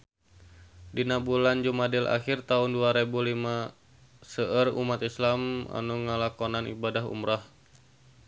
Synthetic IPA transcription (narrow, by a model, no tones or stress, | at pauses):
dinabuland͡ʒumadilʔa̰xɪrt̪aʊnduaɾebulima | səʔərṵmat̪islama̰nuŋəlakonanḭbadaɦṵmɾah